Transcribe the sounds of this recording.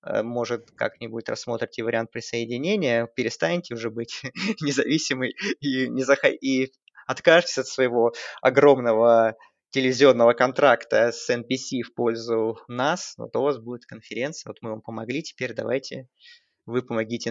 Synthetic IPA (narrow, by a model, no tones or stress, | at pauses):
ə̰mo̞ʐɨt̪ka̰knʲɪbudɪt̪rɐ̰sːmo̞t̪ɾʲɪtʲɪvəɾʲɪant̪̚pɾʲɪsəɪdʲɪnʲenʲɪjəpʲɪɾʲɪst̪anʲɪtʲɪʊʐɛbɨtʲnʲɪzɐvʲisʲɪmɨjinʲɪzəxɐ̰i | ɐt̪kaʐɨtʲɪ̥sʲɐt̪svəjɪvo̞ɐ̰ɡɾo̞mnəvə | tʲɪlʲɪvʲɪzʲɪo̞nːəvəkɐnt̪ɾakt̪əsɛnpʲɪsʲifpo̞lʲzʊnasvo̰t̪ʊvasbudʲɪt̪kənfʲɪɾʲe̞nt̪sɨjəot̪mɨvampəmɐɡlʲitʲɪ̥pʲeɾʲd̪ɐ̰va̰jtʲɪ | vɨpəmɐɡʲitʲɪ